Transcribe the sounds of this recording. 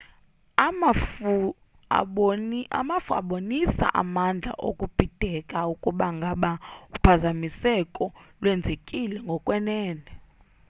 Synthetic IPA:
amafu | a̰ɓoa̰mafua̰ɓonisa̰ʔa̰mand͡ɮʱa̰ʔo̰kʼub̥ʱid̥ʱɛkʼaukʼuɓaŋɡʱaɓaupʰazamisɛkʼɔlwɛnd͡zʱekʼilɛŋɡʱɔkʼwɛnɛːnɛ

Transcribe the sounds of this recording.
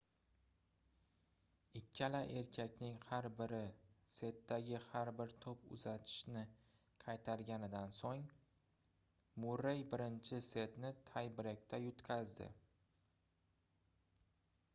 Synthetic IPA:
ɪkʲʰːalaʔe̞ɾkʲʰakʲnɪŋhaɾbɪɾɪse̞t̪ːaɡʲɪhaɾbɪɾt̪ʰopʊ̰zat̪ʰɪ̥ʃnɪ | qʰɑjt̪ʰaɾɡʲanɪd̪ansoŋ | mʊɾejbɪɾɪnt͡ʃʰɪse̞t̪nɪt̪ʰajbɪɾek̚ʲt̪ʰajʊt̪kʲʰazd̪ɪ̰

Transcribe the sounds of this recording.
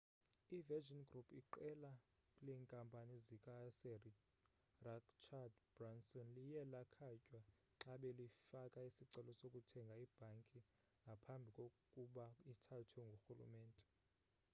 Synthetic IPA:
ivɛd͡ʒɔnɡrupʰiǃɛla | kʼlɛːŋkʼampʼanizikʼasɛ | rakt͡ʃʰadb̥ransɔnlijɛlakʰacʼwa | ǁaɓɛlifakʼaisiǀɛlɔsokʼutʰɛŋɡʱaib̥ʱaŋkʼi | ŋɡʱapʰambʱikʼokʼuɓaitʰatʰɛŋɡʱoxulṵmɛːntʼɛ̥

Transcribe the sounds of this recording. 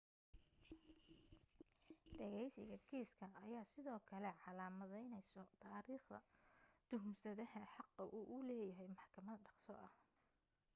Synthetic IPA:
ɖɛɣɛjsɪ̰ɣɐkʰɛːskʰɐɐjaːsɪðɔːkʰɐlɛʕɑlaːmɐðɛjnɛjsɔt̪ʰaːɾiːχd̪ɐ̰d̪̥ʊɦumsɐðɐhɐħɑqːɐʔuʔʊlɛːjɐɦɛjmɑħkʰɐmɐðɖɑqsɔ̰ʔɐh

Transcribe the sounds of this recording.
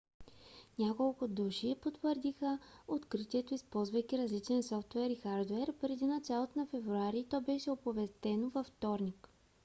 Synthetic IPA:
nʲakolˠkʊd̪uʃipot̪vəɾd̪ixəot̪kɾit̪iɛt̪oispɔlˠzvəjkʲiɾɐzlit͡ʃɛnsɔft̪vɛɾixaɾd̪oɛɾpɾɛd̪inɐt͡ʃalˠot̪nɐfɛvɾuaɾit̪ɔbɛʃɛopovɛst̪ɛnovɐft̪ɔɾnik

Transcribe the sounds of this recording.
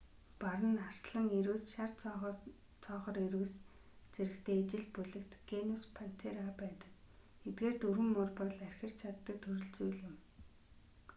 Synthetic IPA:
paɾə̆nar̥sɮə̆ŋeɾuːsʃar | t͡sʰɔːχɞ̆ɾeɾuːs | t͡seɾɘ̆kt̪ʰeːt͡ɕɪ̆ɮpuɮɘ̆kt̪ɡ̥enuspʰan̥t̪ʰeɾapæːt̪ə̥̆k | et̪̚ɡeːrt̪ɵɾwɘ̆ŋːʊrpɔɮærʲxʲə̆r̥t͡ɕʰat̪ːə̆k̚t̪ʰɵɾɵ̆ɮt͡sujɮɪ̆m

